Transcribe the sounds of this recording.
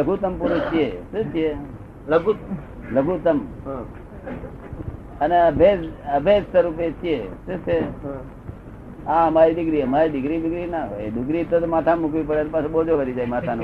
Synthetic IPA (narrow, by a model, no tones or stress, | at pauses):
ləɡʱut̪əmpuɾut͡ʃʰijeʃũt͡ʃʰie | ləɡuləɡʱut̪əmɦ | əneəbʱed͡ʒəbʱed͡ʒsəɾup̬et͡ʃʰijeʃũt͡ʃʰeɦ | ãəmaɾid̪ɪɡɾiəmaɾid̪ɪkɾidɪɡɾinaɦo̰ed̪ɪɡɾit̪ot̪mat̪ʰamukʋipəɽenpasubod͡ʒoʋəɾid͡ʒajmat̪ʰan